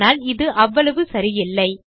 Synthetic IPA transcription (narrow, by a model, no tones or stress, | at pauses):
aːlɪðɯʔɐʋːɐɭɐʋɯsɐɾɪjɪlːɐɪ